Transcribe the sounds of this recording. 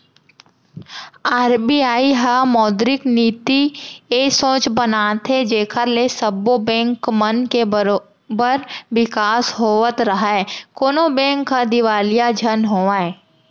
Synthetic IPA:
aːɾbiaːiɦamɔːd̪ɾɪkniːt̪iesõːt͡ʃbənaːt̪ʰed͡ʒeːkʰəɾlesəbobɛ̃ːŋkmənkeɾo | bəɾʋɪkaːsɦoːət̪ɾəɦaɛkoːnobɛ̃ːŋkɦad̪ɪʋaːlijad͡ʒʱənɦoːʋaːe

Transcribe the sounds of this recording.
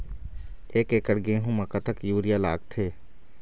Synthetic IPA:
eːkeːkəɽɡẽɦũmɐkət̪əkjuːɾijala̰ːɡ̚t̪ʰeː

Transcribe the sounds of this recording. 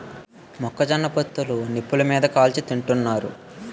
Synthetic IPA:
mɔkːɐd͡ʒɐnːɐpot̪ːulunipːulumiːd̪ɐkaːlt͡ʃit̪iɳʈunːaːɾṵ

